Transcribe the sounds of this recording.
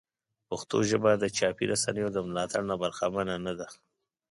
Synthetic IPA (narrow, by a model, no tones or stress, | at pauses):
paxt̪o̰ʒəbad̪ət͡ʃɑpiɾʔasanəjod̪əmlɑt̪aɽnabaɾxamananad̪a